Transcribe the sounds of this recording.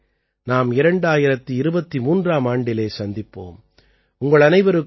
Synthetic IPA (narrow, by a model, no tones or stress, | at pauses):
naːmɪɾɐɳɖaːjɪɾɐt̪ːɯɪɾɯbɐt̪ːimuːndraːmaːɳɖɪleːsɐnd̪ɪpːo̰ːm | ʊŋɡɐɭɐnɐɪʋɐɾɯ